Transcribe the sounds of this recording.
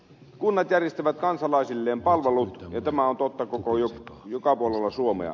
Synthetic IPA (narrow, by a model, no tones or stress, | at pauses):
kunːɑt̪jærjest̪æʋæt̪kɑnsɑlɑˑesilːeːmpɑlʋelut̪jɑt̪æmæont̪ot̪ːɑkokojojokɑpuolelːɑsuomḛɑ̰